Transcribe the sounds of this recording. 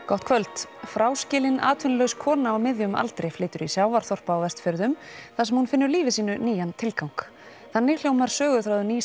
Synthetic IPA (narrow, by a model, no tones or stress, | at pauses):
kɔht̪kʰvœlt̪fɾaːwscɪːlɪna̰ːt̪ʰvɪnlœɥwskʰɔːnaːwmɪðjʏma̰lt̪ɾejflɪːt̪ʏɾisjaːwvaɾ̥θɔr̥paːwvɛst̪fœɾðʏmθasɛmhunfɪnːʏɾliːvɪsiːnʏniːjant̪ʰɪlkawŋ̥k | θanːɪl̥joːwmaɾ̥sœːɣʏθɾawðʏniː